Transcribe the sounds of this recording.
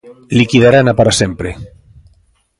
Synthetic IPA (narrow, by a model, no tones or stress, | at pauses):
likiðaɾanapaɾasempɾe